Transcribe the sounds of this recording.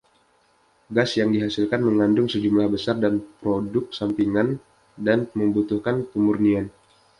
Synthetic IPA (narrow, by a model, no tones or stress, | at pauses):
ɡasjaŋdiɦasilkanməŋandʊŋsəd͡ʒumlahbəsardanpɾodʊk̚sampiŋan | danməmbut̪uhkankumurnian